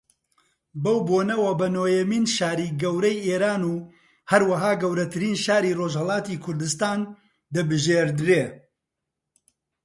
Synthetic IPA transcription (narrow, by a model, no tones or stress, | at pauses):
bɐwboːnɐwɐbɐnoːjɛmiːnʃaːɾiːɡɐwɾɐjʔeːɾaːnuː | hɐɾwɐɦaːɡɐwɾɐt̪ʰɨɾiːnʃaːɾiːroʒhɐlˠɑːt̪iːkʰʊɾd̪ɨst̪aːn | d̪ɐbɨʒeːɾd̪ɾeː